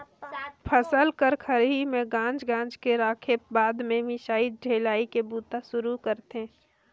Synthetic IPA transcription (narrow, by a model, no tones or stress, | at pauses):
pʰəsəlkəɾkʰəɾɦimẽɡãːnd͡ʒɡãːnd͡ʒkeɾaːkʰebaːd̪mẽmɪʃaːiɖʱeːlaːikebuːt̪asʊɾukəɾt̪ɦẽː